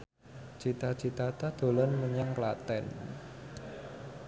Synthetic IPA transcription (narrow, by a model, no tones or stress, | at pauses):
t͡ʃit̪ḁt͡ʃi̤t̪at̪ad̪̥o̤lɔnməɲaŋklat̪ɛn